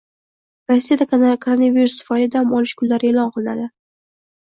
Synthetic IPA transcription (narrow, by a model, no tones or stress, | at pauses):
ɾosʲːijad̪ak̪kʰoɾonaviɾusfɒlʲad̪ahamɒlɪʃkʰʊnlaɾɪe̞ːlɒnqʰɨlˠɪna̰d̪ɪ